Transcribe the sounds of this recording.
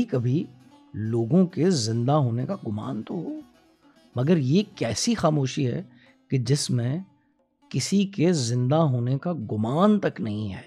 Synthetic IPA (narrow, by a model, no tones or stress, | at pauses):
ikɐbʱi | loːɡõkezɪ̃nd̪aɦoːnekaɡʊma̰ːnt̪oɦoː | mɐɡəɾjekɛːsixaːmoːʃiɦɛ̰ː | ked͡ʒɪsmẽ | kɪsikezɪ̃nd̪aɦoːnekaɡʊmaːnt̪ɐknɐɦĩɦɛ̰ː